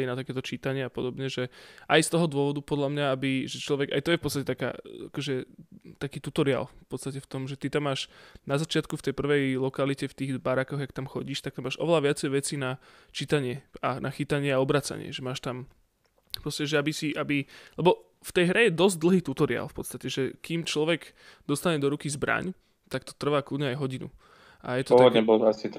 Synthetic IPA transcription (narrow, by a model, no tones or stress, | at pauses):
inat̪akɛːt̪ɔt͡ʃiːt̪aɲɪɛapɔd̪ɔbɲɛʒɛʔajst̪ɔɦɔd̪ʊɔʋɔd̪upɔd̪ʎamɲaabiʒɛt͡ʃlɔʋɛɡa̰jt̪ɔjɛfpɔtt͡sst̪acɛt̪aka̰ːa̰kɔʒɛt̪akiːt̪ut̪ɔɾia̰lffpɔt̪t͡sst̪acɛft̪ɔmʒɛt̪it̪amːaːʃnazat͡ʃɪat̪kuft̪ɛjpr̩ʋɛjlɔkalicɛft̪iːɣbaɾakɔɣjakt̪amxɔɟiːʃt̪akt̪amaːʒʔɔ̰ʋɛlaʋɪat͡sɛjʋɛt͡siːna | t͡ʃit̪aɲɪɛanʔaxit̪aɲɪɛaɔbɾaːt͡sa̰ɲɪɛ̰ʒɛmaːʃt̪am | pɾɔscɛʒɛabisiʔabilɛbɔ | ft̪ɛjɦɾɛjɛd̪ɔzɟ̚d̪l̩ˠɦiːt̪ut̪ɔɾia̰lfpɔt̪st̪acɛʒɛkimt͡ʃlɔʋɛɡ | d̪̥ɔst̪aɲɛd̪ɔɾukizbɾa̰ɲ | t̪akt̪ɔ̥t̪r̩ʋaːklud̪ɲɛajɦɔɟinṵ | ʔajɛt̪ɔ̥ɔaaɲɛbɔlt̪asit̪